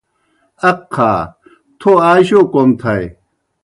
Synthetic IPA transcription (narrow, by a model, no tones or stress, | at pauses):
ɐkʰːaː | t̪ʰoaːɕokomt̪ʰɐj